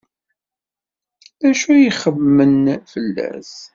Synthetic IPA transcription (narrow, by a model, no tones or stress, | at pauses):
æʃujiχəvmənfəlːæ̰s